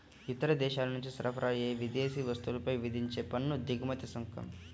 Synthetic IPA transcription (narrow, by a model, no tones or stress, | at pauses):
it̪ːɐɾɐd̪ɛːʃaːlɐnuɲt͡ʃisɐɾɐpʰɐɾʔaːjeːʋid̪eːsiːʋɐst̪ulɐpɐjʋid̪ʱiɲt͡ʃeːpɐnːud̪iɡumɐt̪isɐŋkʰɐ̰m